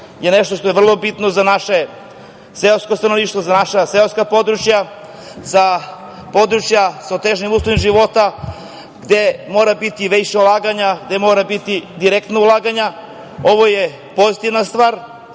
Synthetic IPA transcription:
jeneʃt̪oʃt̪o̞jeʋr̩lˠo̞bit̪nozanaʃe | seloskost̪anoliːʃt̪ʋozanaʃaseoskapo̞d̪ɾut͡ʃja | za | pod̪ɾut͡ʃjasaot̪eʒnimuːslˠoʋimʒiʋo̞t̪a | ɡd̪emo̞ːɾabit̪iʋejʃaulˠaːɡaɲaɡd̪e̞mo̞ːɾabit̪id̪iɾekt̪naulˠaːɡaɲa | o̞ʋoje̞ | po̞zit̪iʋnast̪ʋaːɾ

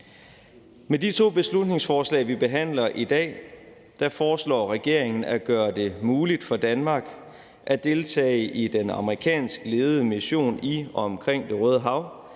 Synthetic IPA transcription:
medit͡sʰo̝̰ːb̥e̝slud̥̚ne̝ŋsfɒːslɛ̰ːɪʋib̥e̝ɦæn̰lɐʔid̥ɛ̰ː | d̥æfɒːslɒ̰ːʁɛɡ̥e̝ɐ̰eŋn̩æɡ̥ɶːɐd̥e̝muːlid̥fɒ̽d̥ænmɑ̈ːɡ̥ | ʔæd̥e̝lt͡sʰɛ̰ːɪʔid̥enɑ̈məʁikʰɛ̰ːnsɡ̥əle̝ːð̞̩ˠəmiɕo̝̰ːniɒɒ̽ɒmkʰʁeŋ̰d̥e̝ʁœːð̞ˠəɦɑ̈ʊ

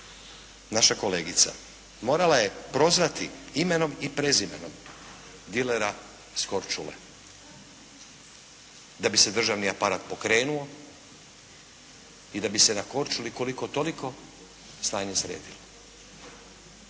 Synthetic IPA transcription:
naʃako̞le̞ːɡit̪sa̰ | mo̞ːɾalaje̞pɾo̞zʋat̪iime̞no̞mipɾezimḛno̞̰m | d̪ileɾa | sko̞ɾt͡ʃulḛ | d̪abise̞d̪r̩ʒaʋniapaɾaːt̪̚po̞kɾe̞ːnuo̞ | id̪abise̞nako̞ɾt͡ʃuliko̞liko̞t̪o̞liko̞ | snaːɲesɾḛːd̪ilo

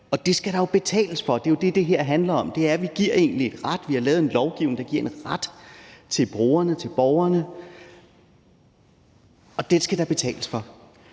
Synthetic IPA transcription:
ɒ̽d̥e̝sɡ̥æɾ̥ɑ̈jo̝b̥e̝t͡sʰɛ̰ːləsfɒ̽d̥e̝jod̥e̝d̥e̝ɦeɐ̰ɦænlɐɒ̽md̥e̝æɐʋiɡ̥iɐ̰e̝ːnlie̝d̥ʁad̥ʋihɑ̈lɛːʊð̩ˠenlɒʊɡ̥iʊ̰neŋd̥ɑ̈ɡ̥iɐ̰enʁad̥t͡sʰe̝lb̥ʁo̝̰ːɐnət͡sʰe̝lb̥ɒʊɐnə | ɒ̽d̥ensɡ̥æd̥ɑ̈b̥e̝t͡sʰɛ̰ːləsfɒ̽

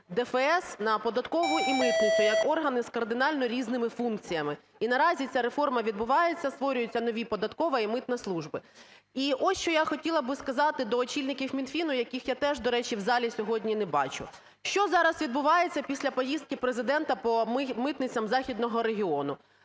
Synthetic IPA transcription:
d̪ɛfɛɛsnɐpɔd̪ɐt̪kɔʋʊjʔimɪt̪nɪt͡s̪ʲʊjɐkɔrɦɐnɪskɐrd̪ɪnɑlʲnɔɾʲiznɪmɪfunk̚t͡sʲijɐmɪ | inɐɾɑzʲit͡sʲaɾefɔrmɐʋʲid̪bʊʋɑjet͡sʲːɐst̪ʋɔɾʲʊjʊt͡sʲːɐnɔʋʲipɔd̪ɐt̪kɔʋɐimɪt̪nɐslˠuʒbɪ | iʔɔsʲt͡ʃɔjaxɔtʲilˠɐbɪskɐzɑt̪ɪd̪ɔːt͡ʃʲilʲnɪkʲiwmʲinfʲinʊjɐkʲixjat̪ɛʒd̪ɔɾɛt͡ʃiwzɑlʲisʲɔɦɔdʲnʲinɛbɑ̰t͡ʃʊ̰ | ʃt͡ʃɔzɑɾɐsʋʲid̪bʊʋɑjet͡sʲːɐpʲisʲlʲɐpɔjist̪̚kɪpɾezɪd̪ɛnt̪ɐpɔmɪt̪nɪt͡sʲːɐmzɑxʲid̪nɔɦɔɾeɦʲiɔnʊ

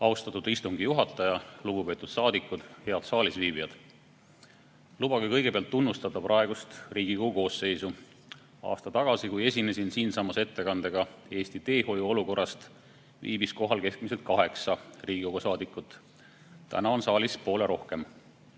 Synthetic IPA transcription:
ɑust̪ɑt̪ud̪ist̪uŋɡ̥ijuɦɑt̪ːˑɑjɑluɡ̥upe̞ːt̪ːˑud̪̥sɑːd̪ikːˑud̪̥he̞ɑd̪̥sɑːlisviːbijɑd̪̥ | lubɑɡikɤ̞jɡ̥e̞pe̞ɑlt̪ːunːust̪ɑd̪ɑprʔɑe̞ɡ̥ust̪riːɡ̥ikoɡuko̞ːse̞jsu | ɑ̰ːst̪ɑt̪ɑɡ̥ɑsikuje̞sʲinesinsiːnsɑmːɑse̞t̪ːe̞kɑnd̪e̞ɡ̥ɑe̞ːst̪it̪e̞ːho̞juo̞luko̞rːɑst̪ | vḭːbisko̞ɦɑlke̞skmise̞lt̪̚kɑɦe̞ksɑriːɡ̥iko̞ɡ̥usɑːd̪ikːˑut̪ːˑ | t̪ːæ̰nɑo̞nsɑːlispo̞ːle̞ɾo̞hke̞m

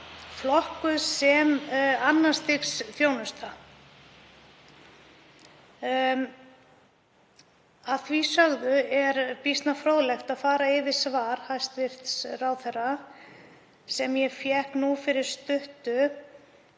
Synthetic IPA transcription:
flɔhkʏðsɛmanːast̪iksθjoːwnʏst̪a | aðθvisœɣðʏɛɾpist̪nafɾowðlɛxt̪aðfaːɾaɪvɪsvaːɾ̥hajst̪vɪr̥t̪srawθɛrːa | sɛmjɛfjɛhknufɪɾɪɾ̥st̪ʏht̪ʏ

